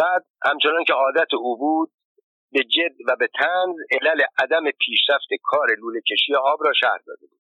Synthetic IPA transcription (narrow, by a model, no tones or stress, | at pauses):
b̥æːd̪̚hæmt͡ʃʰe̞nɒːncʰeɒːd̪æt̪ʰeuːbuːd̪̚ | be̞d͡ʒe̞d̪væbe̞t̪ʰænzelæle̞ʔæd̪æme̞pʰiːʃɾæft̪ʰe̞kʰɒːɾe̞luːlecʰe̞ʃijeʔɒːbɾɒːʃæ̰hɾd̪ɒ̰ːd̪e̞buːd̪